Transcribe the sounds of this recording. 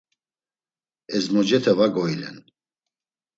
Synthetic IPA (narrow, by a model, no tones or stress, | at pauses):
ɛzmɔd͡ʒɛt̪ʰɛvaɡɔilɛ̰n